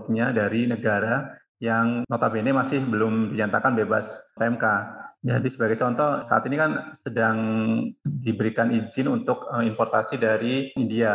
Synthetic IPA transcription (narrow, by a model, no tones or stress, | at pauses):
k̚ɲadaɾinəɡaɾa | jaŋnɔt̪abenemasɪhbəlʊmdiɲat̪akanbeba̰saɛmkad͡ʒadisəbaɡajt͡ʃɔnt̪ɔsa̰a̰t̪inikansədaŋ | dibəɾikanid͡ʒɪnunt̪ʊkəminpɔrt̪asidaɾiindia